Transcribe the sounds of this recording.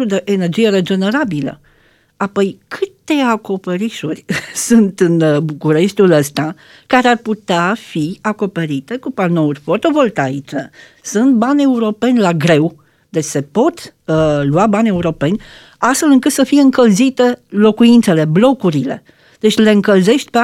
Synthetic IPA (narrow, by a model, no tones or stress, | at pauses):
ud̪e̞ʔene̞rd͡ʒije̞ɾed͡ʒe̞ne̞ɾabilə̰ | apo̞jkʰɨt̪e̞ako̞peɾiʃurʲsunt̪ɨnbukuɾe̞ʃt̪uləst̪a | kaɾearput̪eafiako̞pe̞ɾit̪e̞kupano̞urʲfort̪o̞vo̞lt̪ait͡ʃe | sunt̪̚banʲe̞uɾo̞pe̞nʲlaɡɾe̞w | d̪et͡ʃʲse̞po̞t̪luabanʲe̞uɾo̞pe̞nʲ | ast̪fe̞lɨŋkɨt̪səfije̞ɨŋkəlzit̪e̞lo̞kuint̪se̞le̞blo̞kuɾile̞̰ | d̪̥e̞t͡ʃʲle̞ɨŋkəlze̞ʃt̪̚ʲpe